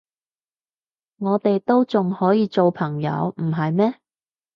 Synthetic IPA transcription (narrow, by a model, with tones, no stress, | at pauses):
ŋɔː˨˧t̪e˨jt̪o˥wt͡sʊ˨ŋhɔː˨˥jiː˨˧t͡so˨wpʰɐ˨˩ŋjɐ̰˨˧wm̩˨˩ɦɐ˨jmɛː˥